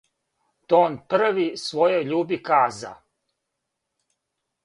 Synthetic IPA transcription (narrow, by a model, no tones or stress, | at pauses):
t̪oːnpr̩ʋisʋojojʎuːbikaːza̰